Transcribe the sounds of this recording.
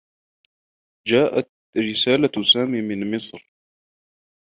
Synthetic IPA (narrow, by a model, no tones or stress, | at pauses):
d͡ʒaːʔat̪ | ɾɪsaːlasaːmiːmɪnmɪsˤɾ